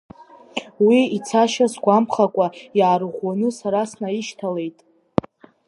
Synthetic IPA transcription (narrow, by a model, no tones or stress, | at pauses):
wiːt͡sʰaʃasɡʷampχakʷʼaiʕaɾʁʷwanɨsaɾasnaiʃtʰale̞jtʼ